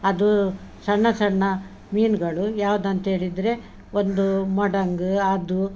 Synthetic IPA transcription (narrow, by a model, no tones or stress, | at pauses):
ɐd̪usɐɳːɐsɐɳːɐ | miːnɡɐɭujaːʋud̪ɐnt̪ɐɦe̞ːɭid̪ɾe̞ | o̞nd̪umɔɽɐŋɡɯɐd̪u